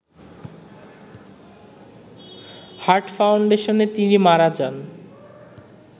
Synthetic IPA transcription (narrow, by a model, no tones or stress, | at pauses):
haɾʈfawɳɖeʃonet̪inimaɾad͡ʑan